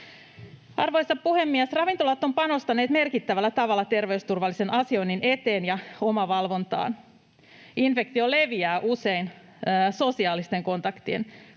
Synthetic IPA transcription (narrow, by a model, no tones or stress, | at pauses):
ʔɑrʋojsɑppuhe̞mːiæsrɑʋint̪olɑt̪ːo̞mpɑno̞st̪ɑneːt̪me̞rkit̪ːæʋælːæt̪ɑʋɑlːɑt̪e̞rʋe̞yst̪urʋɑlːise̞nʔɑsio̞jnːine̞t̪e̞ːnjɑo̞mɑʋɑlʋo̞nt̪ɑ̰ːn | ʔinfe̞kt̪io̞le̞ʋiæːʔuse̞inː | so̞siɑːlist̪e̞ŋko̞nt̪ɑkt̪iḛn